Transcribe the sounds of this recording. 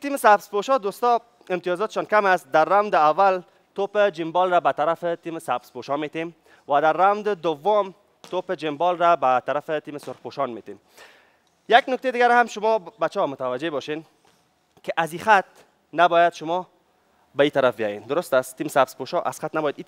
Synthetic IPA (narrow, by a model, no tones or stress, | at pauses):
t̪imɪsabspoʃɔd̪ost̪ɔ | ɪmt̪ijɔzɔt̪ɪ̥ʃɔnkamast̪̚d̪aɾːawnd̪ɪawːal | t̪opɪd͡ʒɪmbɔlɾabat̪aɾafɪt̪imɪsabspoʃɔmet̪em | wad̪aɾːawnd̪ɪd̪ʊwːʊm | t̪opɪd͡ʒɪmbɔlɾabat̪aɾafɪt̪imɪsʊɾxpoʃɔnmet̪em | jaɡnʊkt̪ejd̪ɪɡaɾhamʃʊmɔbat͡ʃɔmʊt̪awad͡ʒebɔʃen | kɪʔazixat̪̚ | nabɔjad̪ʃʊmɔ | bait̪aɾafbɪjɔ̰jend̪ʊɾʊst̪ast̪ːimɪsabspoʃɔʔa̰sxat̪nabɔjad̪i